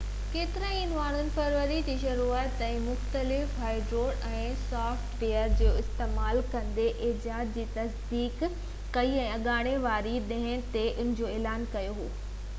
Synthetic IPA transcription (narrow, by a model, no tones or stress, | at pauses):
keːt̪ɪɾə̃inʋaːɳ̤ʊnɪ̆fɐɾʋəɾid͡ʑiːʃ̬ɐɾuːət̪ɛ̃ːmʊxt̪əlɪfɦaːɪɖɾoːɽɛ̃ːsaːfʈbeːəɾd͡ʑoːɪst̪eːmaːlkɐ̃nd̪eʔɪd͡ʑaːd̪̚d͡ʑiːt̪ɐsd̪iːkː | ɐiɛ̃ːɐɠaːɽ̃eʋaːɾiɗɐ̃ɦɪ̃t̪eʔʊ̃n̤ɪ̃d͡ʑoːeːlaːnkɐjoɦo̰ː